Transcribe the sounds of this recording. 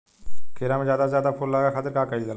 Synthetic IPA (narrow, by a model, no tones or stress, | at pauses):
kʰeːɾãːmẽzjaːd̪azjaːd̪apʰoːllaːɡaxat̪əɾkaːkəilɡəl